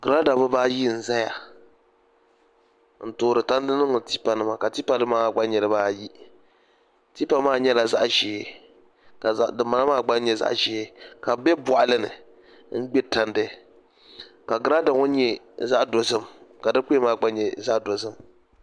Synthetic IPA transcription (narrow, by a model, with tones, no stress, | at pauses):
ɡ̥ɨ˨ɾa˦da˨bʊ˦baː˦ji˦n̩˨za˦ja˨ | n̩˨toː˨ɾɨ˨ta˦n˦dɨ˦nɨ˦ŋ˨ti˦pa˨nɨ˦ma˨ka˨ti˦pa˦˨dɨ˦maː˦a˨ɡ͡ba˦ɲɛ˨ɾɨ˦baː˦ji˦ | ti˦pa˦maː˦˨ɲɛ˦la˨za˦ʔʒɛː˨˦ | ka˨a˦ʔdɨ˨mːa˨na˦maː˦˨ɡ͡ba˦ɲɛ˦za̰˦ʔʒɛ˨˦ka˨bɛ˦bɔ˨ʔa˨lɨ˦nɨ̰˨ | ŋ̩˦ɡ͡bɛ˦ta˨ndɨ˦ | ka˨ɡɨ˦ɾa˦da˨ŋɔ˦ɲɛ˦ | za˦ʔdo˨sɨ˦mka˨dɨ˦k͡pːmaː˦˨ɡ͡ba˦ɲɛ˨za˦ʔdo˨sɨ˦m